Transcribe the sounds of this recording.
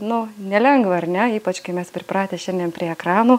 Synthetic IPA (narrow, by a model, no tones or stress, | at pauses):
nʊnʲɛlʲɛŋɡʋɐɐrnʲɛiːpɐt͡ʃkɐɪmʲɛspʲɾʲɪpɾɑːt̪ʲeːʃʲɛnd̪ʲiɛnpʲɾʲiɛɛkɾɑːnuː